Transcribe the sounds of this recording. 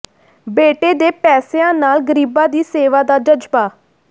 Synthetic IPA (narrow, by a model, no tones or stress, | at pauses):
beːʈeːd̪eːpɛːseãːnaːlɡəɾiːbãːd̪iːseːʋaːd̪aːd͡ʒəd͡ʒpaː